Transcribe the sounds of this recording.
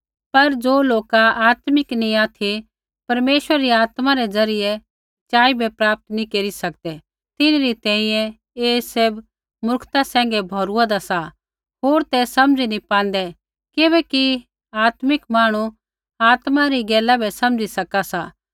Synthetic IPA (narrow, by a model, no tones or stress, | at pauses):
pɐɾd͡zoːloːkaaːt̪mɪknĩaːt̪ʰi | pɐɾmeːʃwəɾɾiaːt̪maɾɛd͡zɐɾɪjɛ | t͡ʃaːibʱɛpɾaːp̚t̪nĩkeːɾisɐk̚d̪ɛ | t̪ɪnɾit̪ɛ̃ːĩjɛ̃ | eːseb | mʊɾkʰt̪asɛ̃ːŋ̆ɡɛbʱɔːɾuad̪asa | ɦoːɾt̪ɛsɐmd͡zinipãːnd̪ɛ | kɪβɛki | aːt̪mɪkmaːɽ̃u | aːt̪maɾiɡɛːlabʱɛsɐ̃md͡ʒisɐkasaː